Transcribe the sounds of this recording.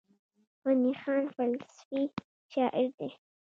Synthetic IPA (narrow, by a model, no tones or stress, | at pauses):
ɣanixɑːnfalsfi | ʃɑʔɪɾd̪e